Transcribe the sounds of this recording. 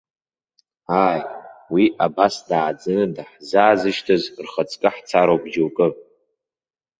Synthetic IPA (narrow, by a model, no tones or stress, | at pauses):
aːjwiʔabasdaːd͡zɨnɨdaħzaːzɨʃtʰɨzrχət͡sʼkʼɨħt͡sʰaɾowbd͡ʒowkʼɨpʼ